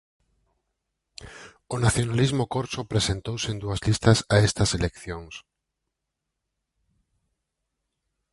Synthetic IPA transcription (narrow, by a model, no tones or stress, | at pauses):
ʊnaθjonalizmʊkoɾsopɾesent̪owsend̪uɐzlist̪ɐsaest̪ɐselekθjoŋs